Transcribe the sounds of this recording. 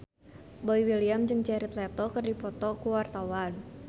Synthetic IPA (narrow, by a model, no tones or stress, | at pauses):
bɔiwiliamd͡ʒɨŋt͡ʃɛɾit̪lɛt̪ɔkərdipɔt̪ɔkuwart̪awan